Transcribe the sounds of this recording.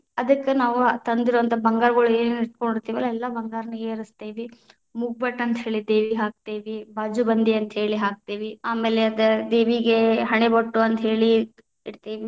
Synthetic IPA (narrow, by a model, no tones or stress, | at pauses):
ɐd̪ɐkːenaːʋut̪ɐnd̪iɾuʋɐnt̪ʰɐbɐŋɡaːɾɐɡɐɭueːneiɾt̪̚koɳɖiɾt̪iːʋɐlːɐɛlːɐbɐŋɡaːɾɐnɐɡeːɾist̪iːʋi | muɡ̚bɐʈːɐnt̪ɦeːɭid̪eːʋiɦaːk̚t̪eːʋibaːd͡ʒubɐnd̪iɐnt̪ɦe̞ːɭiɦaːk̚t̪iːʋiaːmeːleɐd̪ɐd̪eːʋiɡe̞ɦɐɳebɐʈːuɐnt̪ɦe̞ːɭi | iɽt̪iːʋi